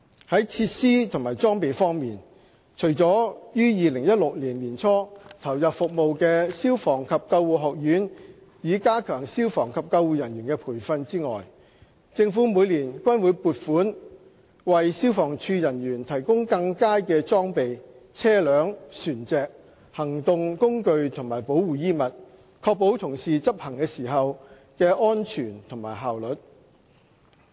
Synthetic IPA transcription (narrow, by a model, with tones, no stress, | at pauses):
hɐ˨˥jt͡sʰiː˧t̚siː˥t̪ʰʊ˨˩ŋmaː˨˩jt͡sɔː˥ŋpe˨jfɔː˥ŋmiː˨˩n | t͡ʃʰɵ˨˩jt͡sɔː˨˥jyː˥jiː˨˧lɪ˨˩ŋjɐ˥t̚lʊ˨k̚liː˨˩nliː˨˩nt͡sʰɔː˥t̪ʰɐ˨˩wjɐ˨p̚fʊ˨k̚mo˨˧wkɛː˧si˥wfɔː˨˩ŋkʰɐ˨p̚kɐ˧wwuː˨ɦɔː˨k̚jyː˨˥n | jiː˨˧kaː˥kʰœː˨˩ŋsiː˥wfɔː˨˩ŋkʰɐ˨p̚kɐ˧wuː˨jɐ˨˩nɥyː˨˩nkɛː˧pʰuː˨˩jfɐ˧nt͡siː˥ŋɔ̰ː˨˩j | t͡sɪ˧ŋfuː˨˥muː˨˧jliː˨˩nkʷɐ˥nwuː˨˧˥jpuː˨˧t̚fuː˨˥n | wɐ˨jsiː˥wfɔː˨˩ŋt͡ʃʰyː˧jɐ˨˩nɥyː˨˩nt̪ʰɐ˨˩jkʊ˥ŋkɐ˧ŋkaː˥kɛː˧t͡sɔː˥ŋpe˨j | t͡sʰɛː˥lœː˨˥ŋsyː˨˩nt͡sɛː˨k̚ | hɐ˨˩ŋt̪ʊ˨ŋkʊ˥ŋkɵ˧ɥt̪ʰʊ˨˩ŋmaː˨˩jpo˨˥wwuː˨˩jiː˥mɐ˨t̚ | kʰɔː˧k̚po˨˥wt̪ʰʊ˨˩ŋsiː˨t͡sɐ˥p̚hɐ˨˩ŋkɛː˧siː˨˩ɦɐ˨w | kɛː˧ʔɔː˥nt͡ʃʰyː˨˩nt̪ʰʊ˨˩ŋmaː˨˩jɦaː˨wlɵ˨t̚